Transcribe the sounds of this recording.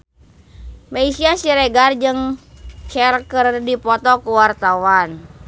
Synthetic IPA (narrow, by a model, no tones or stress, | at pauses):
maisiasiɾɛɡard͡ʒɨŋt͡ʃɛlkərdipɔt̪ɔkuwart̪awan